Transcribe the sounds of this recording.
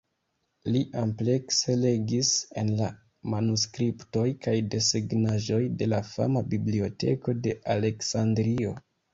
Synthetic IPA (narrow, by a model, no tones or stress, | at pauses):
liʔample̞kse̞le̞ɡise̞nla | manuskɾipto̞jkajde̞siɡnaʒo̞jde̞lafa̰mabiblio̞tʰe̞̰ko̞de̞ʔale̞ksandɾio̞